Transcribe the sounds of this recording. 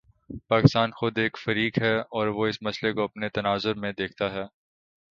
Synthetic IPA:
paːkɪst̪aːnxʊd̪eːkfɐɾiːkɦɛɔːɾʋoɪsmɐslekoɐpnet̪ɐnaːzʊɾmẽd̪eːk̚ʰt̪aɦɛː

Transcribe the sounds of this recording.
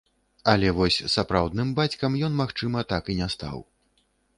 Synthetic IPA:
ɐlʲɛvɔsʲsapɾawd̪nɨmbat͡sʲkɐmjɔnmaxt͡ʂɨmɐt̪akinʲɛst̪a̰w

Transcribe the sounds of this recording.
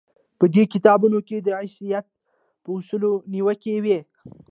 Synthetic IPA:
pəd̪ekɪt̪ɑbunoked̪əasijat̪̚ | pəʊsuloniwəkewe

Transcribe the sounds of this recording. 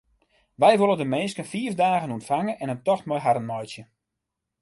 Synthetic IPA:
ʋɛjʋolˠəndəmɪnskənfiəfdaːɣənuntfaŋənɛnəntɔxtmɔjɦaɾənmɔjsjə

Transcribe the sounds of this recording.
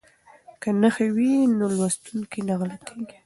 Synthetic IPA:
kanəxewinolwast̪unkinaɣlat̪ʰiɡi

